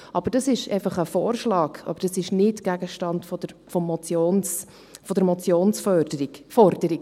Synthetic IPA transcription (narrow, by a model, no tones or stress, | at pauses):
ʔɑb̥əɾd̥ɑsɪʃɛ̰ɪfɑχəfoːɾʃlɑːɡɑ̰bəɾd̥ɑsɪʃnɪtɡ̥æɡəʃtɑndfɔdfɔmːɔt͡sjons | fɔdəɾmɔt͡sjoːnsfœd̥əɾi̥fɔɾd̥əɾi